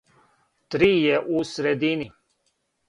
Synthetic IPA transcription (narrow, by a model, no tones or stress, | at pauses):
t̪ɾiːjɛʔusɾed̪ini